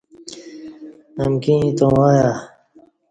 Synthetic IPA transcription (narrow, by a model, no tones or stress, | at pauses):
əmkĩt̪õwaja